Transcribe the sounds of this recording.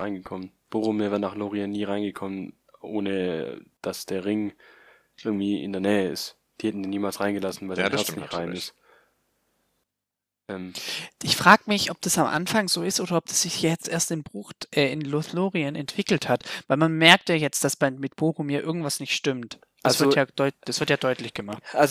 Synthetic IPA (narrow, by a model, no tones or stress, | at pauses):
ʁaɪnɡəkʰɔmən | b̥oːʁʊmiːvɛːɐnaːχloːʁianːiːʁaɪnɡəkʰɔmən | ʔo̰ːnəd̥asd̥eːɐʁɪŋ | ʔɪɐɡŋ̩tv̥iːʔɪ̰ndeːɐnɛːəɪ̰st | d̥iːhɛtn̩daːniːmaːlsʁaɪnɡəlasn̩vaɪlzaɪnɛɐt͡snɪçtʁa̰ɪnɪst | ʔɛmʔɪçfʁ̥aːɡəmɪçʔɔp̚d̥asamʔa̰nfaŋzoːɪstʔoːdɐɔp̚d̥ḁsz̥ɪçjajɛt͡stʔeːɐstɪnbʁʊxʔɛːɪnlʊθloːʁiənɛntv̥ɪkl̩thatv̥aɪlmanmɛɐk̚tjaːjɛt͡st̚d̥asb̥aɪmmɪtb̥oːχʊmjiːʔɪɐɡŋ̩tv̥asnɪçtʃtʏmt | d̥assv̥ɪɐjaːd̥ɔʏtd̥asv̥ɪɐtjaːdɔʏtlɪçɡ̥əmaχtʔalz